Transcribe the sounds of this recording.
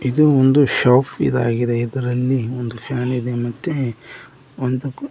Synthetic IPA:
id̪uond̪uʃaːpʰḭd̪a̰ːɡid̪eid̪ɐɾɐlːiond̪upʰjaːnid̪emɐt̪ːe | ond̪u

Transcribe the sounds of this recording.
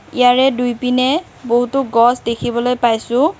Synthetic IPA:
ijaɹɛdujpinɛ | boɦutʊɡɔsdekʰibɔlojpajsʊ̃

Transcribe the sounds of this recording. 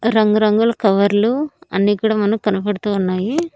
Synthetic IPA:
ɾɐŋɡuɾɐŋɡulɐkɐʋɐɾluɐ̰nːiːkuːɽaːmɐnɐmkɐnɐpɐɽut̪uːnːaːji

